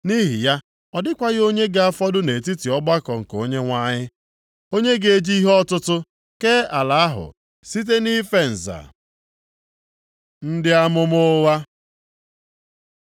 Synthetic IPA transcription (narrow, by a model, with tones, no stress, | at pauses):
ni˦ɦɪ˨ja˦ | ɔ˨dɪ˦kʷa˦ɣɪ˦o˦ɲe˦ɡa˨a˦fɔ˦dʊ˦ne˨ti˦ti˨ɔ˦ɡ͡ba˦kɔ˨ŋ̩˨ko˦ɲe˦ŋʷa˦ɲɪ˦ | o˦ɲe˦ɡe˨˦d͡ʒi˦i˦ɦɔ˦tʊ˦tʊ˦ | ke˦a˨la˨a˦ɦʊ̰˨ | si˦t̬e˦ni˦fe˦n̩˨za̰˨ | n̩˦dɪ˦a˦mʊ˦mʊ˦wa˦